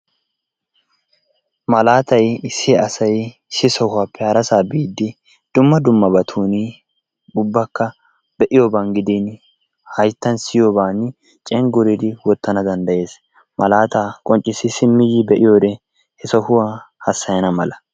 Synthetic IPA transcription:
mɐlaːt̪ɐjɪsːɪɐsɐj | sɪsɔhʊwapʰːɛhɐɾɐsaːbiːd̪ːɪ | d̪̥ʊmːɐd̪ʊmːɐbɐt̪ʰuːni | ʊbːɐkːɐ | b̥ɛʔɪjobaːnɡɪd̪ɪn | hɐjt̪ːɐnsɪjoːbaːn | t͡ʃʼɛŋɡʊɾid̪ɪwɔt̪ːɐnɐd̪ɐnd̪ɐje̞ːs | mɐlaːt̪aːkʼɔnt͡ʃʼːɪsːɪsɪmːɪjɪbɛʔɪjoːd̪ɛ | hɛsɔhʊwahɐsːɐjɐnɐmɐlɐ

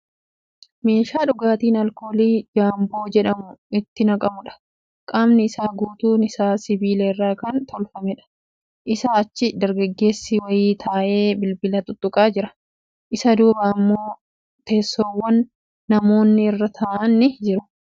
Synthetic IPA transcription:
me̞ːʃaːᶑʊɡaːt̪iːnɐlkoːliːd͡ʒaːmbo̞ːd͡ʒɛᶑɐmʊɪt̪ːɪnɐkʼɐmʊᶑɐ̥ | kʼaːmnɪɪsaːɡuːt̪uːnɪsaːsɪbiːleɪrːaːkɐnt̪ʰɔlfɐmɛᶑɐ̥ | ʔɪsaːɐt͡ʃːɪd̪ɐɾɡɐɡːe̞ːsːɪwɐjiːt̪ʰaːʔe̞ːbɪlbɪlɐt̪ʊt̪ʼːʊkʼaːd͡ʒɪɾɐ | ʔɪsɐd̪uːbɐːmːo̞ː | t̪e̞ːsːoːwːɐnː | ɐmo̞ːnːɪɪrːɐt̪ʰaːʔɐnːɪd͡ʒɪɾʊ̥

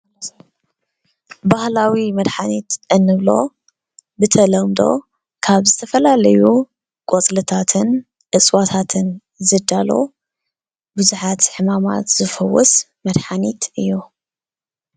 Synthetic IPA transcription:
bahlawimɐd̪ħanit̪ʔɨnːɨβlo̞ | bɨt̪ʰɐlɐmd̪o̞̰ | kʰaβzɨt̪ʰɐfɐlalɐju | kʼot͡sʼlɨt̪ʰat̪ʰɨn | ʔɨt͡sʼwat̪ʰat̪ʰɨn | zɨd̪alo̞̰ | bɨzuħat̪ħɨmama̰t̪z̥ɨfɐwɔs | mɐd̪ħanit̪ɨjːu

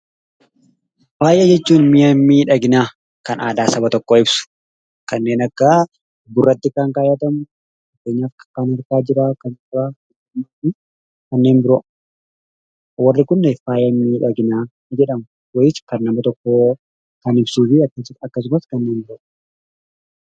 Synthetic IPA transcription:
faːjɐd͡ʒɛt͡ʃːuːnmɪjɐmːiːᶑɐɡɪnaː | kɐna̰ːd̪aːsɐbɐt̪ɔkːoːɪbsʊ̥ | kɐnːe̞ːnɐkːɐ | bʊrːɐt̪ːɪkaŋkaːjɐt̪ɐmʊ | nɐkːeːɲːaːfkɐ̥kːaːnɐɾkaːd͡ʒɪɾaːkɐnaɪ | maɪ | kɐnːeːnbɪɾɔʔ | wɐrːɪkʊnːefaːjɐmːiːᶑɐɡɪnaː | d͡ʒɛᶑɐmʊ | wɐjɪt͡ʃːkɐnːɐmɐt̪ɔkːo | kɐnɪbsuːfɪɐkːɐsɐkːɐs̬ʊmɐskɐnːe̞ːnbɪɾɔ

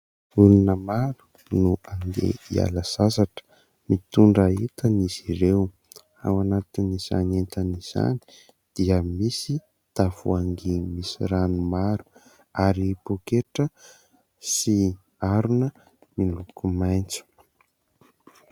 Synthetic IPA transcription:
ulinəmaɾu̥ | nuaŋɡḛia̰ləz̥asaʈ͡ʂə̥ | mit̪uɳɖ͡ʐaɦit̪əniziɾew | a̰wanat̪iniz̥a̰nent̪aniz̥a̰ni̥ | d̪̥iəmisi | d̪̥avṵaŋɡimisiɾanumaɾu̥ | aɾipokeʈ͡ʂə | si | aɾunə | milukumajnt͡su̥

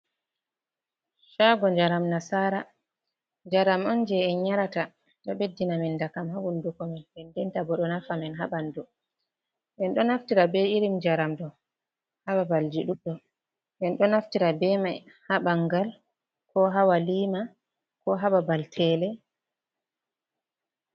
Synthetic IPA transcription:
ʃaɡɔɲd͡ʒaɾamnasaːɾa | d͡ʒaɾamɔnd͡ʒɛɛɲaɾata | ɗɔɓedːinamindakamhawundukɔmɛnɓɛndɛntabɔɗɔnafamɛnɦa̰ɓandu | ɓɛnɗɔnaftiɾabɛiɾimd͡ʒaɾamdɔ | haɓabald͡ʒiɗuɗɔ | ɓɛnɗɔnaftiɾabɛma | haɓaŋɡal | kɔɦawaliːma | kɔɦaɓabaltʰɛlɛ

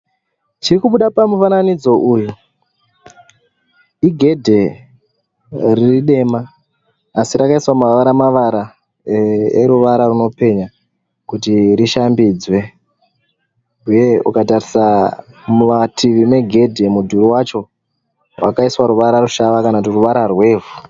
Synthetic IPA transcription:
t͡ʃirikuɓuɗapamufananid͡zo̞ʔuːju | iɡʱe̞dʱe̞ | ririɗe̞maː | siɾakaiswamaʋaɾamaʋaɾa | eɾuʋaɾaruno̞pe̞ɲa | kutiɾiʃambiːd͡zwe̞ | uje̞ukatarisamumatʰiʋime̞ɡʱe̞dʱe̞mudʱuɾuwat͡ʃo̞ | wʔa̰kaiswaɾuʋaɾaruʃaʋakanakutiruʋaɾarwe̞ːvu

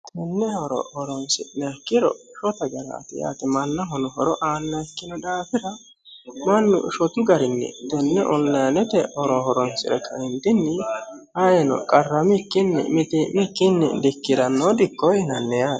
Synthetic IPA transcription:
t̪ɛnːɛhɔɾɔ̰hɔɾɔnsɪ̰nɐkːɪɾɔ̰ | ʃɔt̪ɐɡɐɾɐ̰ːt̪ɪja̰ːt̪ɪmɐnːɐɦɔnɔhɔɾɔʔaːnːɐkːɪnɔd̪aːfɪɾɐ | mɐnːʊ̰ʃɔt̪ʊɡɐɾɪnːɛ̰t̪ɛnːɛʔɔlːɐjɐnɛt̪ɛhɔɾɔɦɔɾɔnsɪ̰ɾɛ̰kʰːɐ̰ʔɪnt̪ɪnːɪhajɛnɔ̰kʼɐrːɐmɪkːɪnːɛ̰mɪt̪ɪmɪkːɪnːɛ̰d̪ɪkːɪdɐnːod̪ɪkːɔjnɐnːɛjḁ

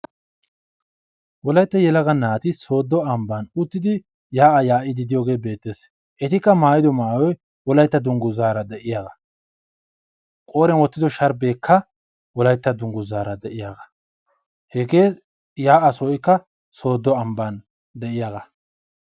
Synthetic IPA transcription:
wɔlɐjt̪ːɐjɛlɐɡɐnaːt̪ɪso̞ːd̪ːɔɐmbɐnʊt̪ːɪd̪ɪ | jaːʔɐjaːʔɪd̪ɪd̪ɪjoːɡe̞ːbe̞ːt̪ːe̞ːs | ʔɛt̪ɪkːɐmaːjɪd̪ɔmaːjɔj | wɔlɐjt̪ːɐd̪ʊŋɡʊzaːɾɐd̪ɛʔɪjaːɡɐ | kʼo̞ːɾɛnwɔt̪ːɪd̪ɔʃɐɾbe̞ːkʰːɐ | wɔlɐjt̪ːɐd̪ʊŋɡʊzaːɾɐd̪ɛʔɪjaːɡɐ | hɛɡe̞ː | jaːʔɐsɔɪkːɐ | so̞ːd̪ːɔɐmbɐn | d̪ɛʔɪjaːɡɐ

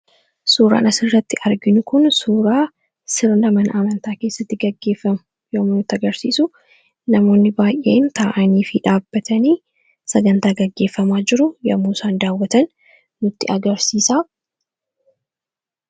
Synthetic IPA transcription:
suːɾa̰ːnɐsɪrːɐt̪ːɪʔɐɾɡɪnʊkʊnsuːɾaː | sɪɾlɐmɐnʔɐmɐnt̪aːke̞ːsːɐt̪ːɪɡɐɡːe̞ːfːɐmʊ̥ | joːmʊnʊt̪ːɐɡɐɾsiːsʊ | nɐmo̞ːnːɪbaːjʔe̞̰ːnt̪aːʔɐniːfɪᶑaːbːɐt̪ɐniː | sɐɡɐnt̪aːɡɐɡːe̞ːfːɐmaːd͡ʒɪɾʊjɐ̰mːuːsaːnd̪aːwːɐt̪ɐn | nʊt̪ːɪʔɐɡɐɾsiːsaː

